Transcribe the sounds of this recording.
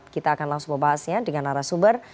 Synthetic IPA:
t̪̚kit̪aːkanlaŋsuŋbəbaɦasɲadəŋanaɾasumbər

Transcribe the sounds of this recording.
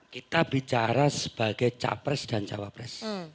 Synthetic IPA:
kit̪ab̥it͡ʃaɾasə̥b̥a̤ɡ̥ɛjt͡ʃa̰pɾɪsd̥a̤nt͡ʃawapɾɪs

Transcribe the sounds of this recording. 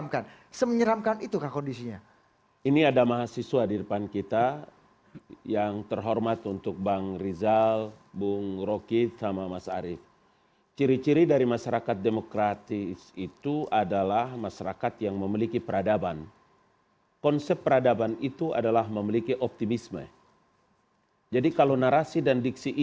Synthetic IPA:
mkan | səməɲəɾamkanit̪ukahkondisiɲa | iniadamaɦasiswadidəpankit̪a | jaŋt̪ərɦɔrmat̪unt̪ʊk̚baŋrizal | bʊŋrokit̪samamasa̰ːɾɪf | t͡ʃiɾit͡ʃiɾidaɾimaʃaɾakat̪̚demokɾat̪isit̪uʔadalahmaʃaɾakat̪jaŋməmilikipəɾadaban | kɔnsɛpːəɾadabanit̪ua̰dalaɦməmilikiʔɔp̚t̪imismə̰ | d͡ʒadikalownaɾasidandik̚siʔ

